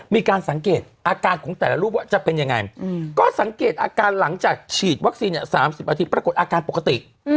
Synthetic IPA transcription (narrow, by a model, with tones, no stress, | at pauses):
miː˧kaː˧nsa˩˦ŋkeː˨˩t̪̚ʔaː˧kaː˧nkʰɔː˩˦ŋt̪ɛː˨˩la˦˥ɾuː˥˩p̚wa˦˥˩t͡ɕa˨˩pe˧nja˧ŋa˧jkɔː˥˩sa˩˦ŋkeː˨˩t̪̚ʔaː˧kaː˧nla˩˦ŋt͡ɕaː˨˩k̚t͡ɕʰiː˨˩t̪̚wa˦˥k̚si˧nʔɛ˧˩saː˩˦msi˨˩p̚ʔaː˧t̪i˧˩pɾa˧ko˨˩t̪̚ʔaː˧kaː˧npo˨˩kːa˧t̪i˨˩ʔ